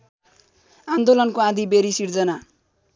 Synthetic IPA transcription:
and̪olʌnkoãd̪ʱibeɾisird͡zʌna

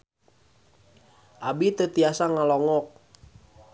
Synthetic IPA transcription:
ʔabit̪ət̪iasaŋalɔŋɔk̚

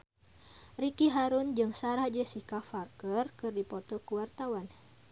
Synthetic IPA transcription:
rikiɦaɾund͡ʒɨŋsaɾad͡ʒəsihkafarkərkɨrdipɔt̪ɔkuwart̪awan

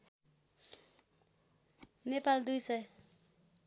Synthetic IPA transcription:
nepald̪ujsʌj

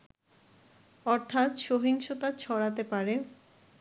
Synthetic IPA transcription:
ɔɾt̪ʰat̪ʃoɦiŋʃot̪at͡ɕʰɔɽat̪epaɾe

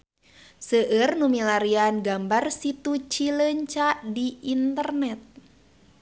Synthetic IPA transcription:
səʔərnumilaɾianɡambarsit̪ut͡ʃiləɲt͡ʃadiint̪ərnɛt̪̚

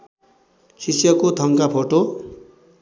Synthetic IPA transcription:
sisjʌkot̪ʰʌŋkapʰoʈo

